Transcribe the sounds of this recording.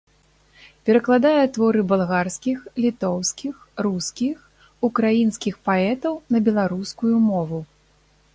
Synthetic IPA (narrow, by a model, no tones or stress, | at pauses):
pʲɛɾɐklˠad̪ajɛt̪vɔɾɨbɐlˠɣarskʲixlʲit̪ɔwskʲixruskʲix | ukɾajinskʲixpaɛt̪ɐwnɐbʲɛlˠaɾuskujumɔvu